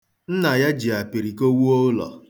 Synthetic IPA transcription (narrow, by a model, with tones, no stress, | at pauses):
n̩˦na˨ja˦d͡ʒi˨a˨pi˨ɾi˨ko˦wu˦o˦lɔ̰˨